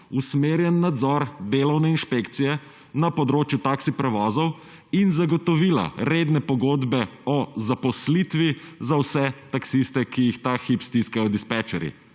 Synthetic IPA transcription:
usmeːɾjɛnːad̪zɔɾd̪elɔwnɛinʃpekt̪sijɛ | napɔd̪ɾoːt͡ʃjut̪aksipɾɛʋɔːzɔw | inzaɡɔt̪ɔʋiːla̰ɾeːd̪nɛpɔɡoːd̪bɛɔzapɔslit̪ʋizawsɛt̪aksist̪ɛkijixt̪axipst̪iskajɔd̪ispɛt͡ʃɛɾjḭ

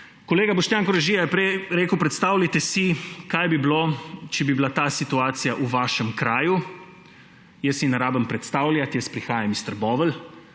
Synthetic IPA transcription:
koleːɡabɔʃt̪jaːŋkɔɾɛʒiːjajɛpɾɛjɾeːkəwpɾɛt̪st̪aːwlʲat̪ɛsikajbiblot͡ʃɛbibilat̪aːsit̪uaːt̪sijaʔuʋaːʃɛmkɾaːju | jəst̪jinaɾaːbəmpɾɛt̪st̪aːwlʲjat̪jəspɾixaːjamist̪əɾbɔːʋəl

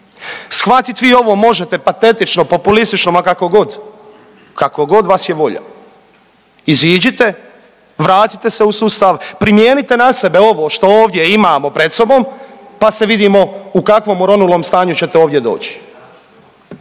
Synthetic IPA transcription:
sxʋat̪it̪ʋiːo̞ʋo̞ːmo̞ʒe̞t̪e̞pat̪e̞t̪it͡ʃno̞po̞pulist̪it͡ʃnomakako̞ɡo̞d̪ | kakoɡo̞d̪ʋaːsjeʋo̞ʎa̰ | iziːd͡ʑit̪e̞ | ʋɾaːt̪i̥t̪e̞se̞usuːst̪aʋpɾimjeːnit̪e̞nase̞be̞o̞ʋo̞ːʃt̪o̞oːʋd̪je̞imaːmo̞pɾe̞d̪so̞bo̞ːmpase̞ʋid̪iːmo̞ukakʋo̞ːmoɾo̞nulˠo̞ːmst̪aːɲut͡ɕe̞t̪eo̞ːʋdje̞d̪o̞̰ːt͡ɕi̥

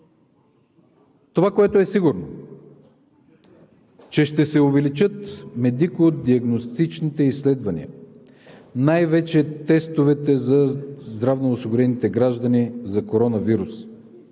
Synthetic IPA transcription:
t̪ovakoɛt̪oɛsiɡʊɾno | t͡ʃɛʃt̪ɛsɛʊvɛlit͡ʃɤt̪mɛd̪ikoːd̪iɐɡnost̪it͡ʃnit̪ɛisːlɛd̪vɐnḭə̰ | najvɛt͡ʃɛt̪ɛst̪ovɛt̪ɛzɐzd̪ɾavnoːsiɡʊɾɛnit̪ɛɡɾaʒd̪ɐnizɐkoɾɔnɐviɾus

